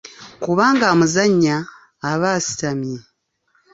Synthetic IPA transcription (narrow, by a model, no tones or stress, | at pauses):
kuβaːŋɡaːmuzaɲːaː | βaːsi̥tamje